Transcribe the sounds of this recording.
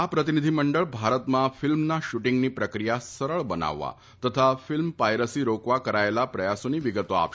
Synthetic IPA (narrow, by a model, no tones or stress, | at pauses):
apɾət̪inid̪ʱiːməɳɖəɭbʱaɾət̪mafilmnaɕuʈiŋɡniːpɾəkɾijasəɾəɭbəna̰ʋːa̰ | t̪ət̪ʰafilmpajɾəsiːɾokʋakəɾajlapɾəjasuniːʋiɡət̪oa̰ʋ